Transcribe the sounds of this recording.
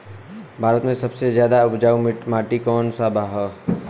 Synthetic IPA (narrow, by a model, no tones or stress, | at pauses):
bʱaːɾət̪mẽsɐbsezjaːd̪aʊpd͡ʒaːumaːʈikɔːnsaːbʱaɦɛ